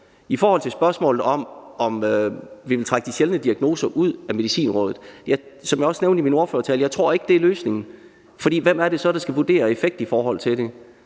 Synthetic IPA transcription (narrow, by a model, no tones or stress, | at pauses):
ifɒːhɒ̽l̰t͡sʰe̝lsb̥ɶɐsmɔ̰ːlð̩ˠɒ̽mɒ̽møʋiʋe̝lt͡sʰʁäɡ̥̚d̥iɕelnəd̥iæɡ̥no̝ːsɐʔuð̰ˠæme̝ðˠisḭːnʁɔ̽ːðˠð̩ˠjɑ̈ɪ | sɒ̽mjɪɒ̽sneʊnd̥imino̝ɐføːɐt͡sʰɛljɑɪt͡sʰʁo̝ɐ̰e̝ɡ̥d̥e̝æɐløːsne̝ŋn̩ | fɒ̽d̥ḭːʋem̰æɐɾe̝sɒ̽d̥ɑ̈sɡ̥æʋud̥e̝̰ːɐe̝feɡ̥̚d̥ifɒːɦɒ̽l̰t͡sʰe̝lɾe̝